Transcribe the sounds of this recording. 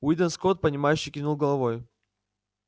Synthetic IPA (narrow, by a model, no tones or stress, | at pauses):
wid̪ənskot̪̚pənʲɪmajʉɕːɪjkʲinulˠɡəlˠɐvoj